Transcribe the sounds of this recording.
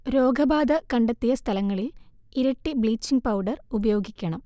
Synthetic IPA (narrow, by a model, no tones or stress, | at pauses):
ɾo̞ːɡɐbaːd̪ɐkɐɳɖet̪ːijɐst̪ʰɐlɐŋːɐɭil | iɾɐʈːibɭiːt͡ɕːiŋɡ̚pɐwɖɐrubɐjo̞ːɡikʲːɐɳɐm